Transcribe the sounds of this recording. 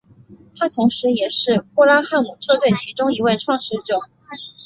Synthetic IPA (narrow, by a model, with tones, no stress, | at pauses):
t̪ʰa˥t̪ʰʊ˧˥ŋʂɻ̩˧˥jɛ˨˩ʂɻ̩˥˧pu˥˧la˥xa˥˩nmu˨˩ʈ͡ʂʰɤ˥˧t̪we˥˩ɪt͡ɕʰi˧˥ʈ͡ʂʊ˥ŋi˧˥we˥˧ɪʈ͡ʂʰwɑ˥˧ŋʂɻ̩˧˥ʈ͡ʂjʊ˨˩˦